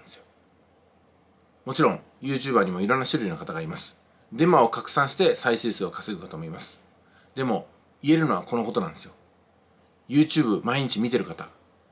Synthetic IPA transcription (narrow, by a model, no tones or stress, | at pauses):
d̪esɨjo | mo̞t͡ɕiɾõ̞ŋ̃ | jɯ̟ːt͡ɕɨːbaɲ̟imo̞iɾõ̞nːaɕiɾo̟ɾʲino̞kat̪aɡaːɾimasɨ̥ | d̪e̞mao̞kakɯ̟̥sãɕi̥t̪e̞saiɕeːsɨo̞kḁseɡɯ̟kat̪amo̞imasɨ̥ | d̪e̞mo̞ | ie̞ɾɯno̞β̞ako̞no̞ko̞t̪o̞nãnd̪e̞sɨjo | jɯ̟ːt͡ɕɨːbɯ̟maiɲ̟it͡ɕimʲit̪e̞ɾɯ̟kat̪a̰